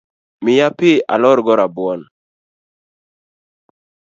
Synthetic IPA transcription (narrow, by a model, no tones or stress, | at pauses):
mɪjapɪa̰lɔɾɡɔɾabwɔn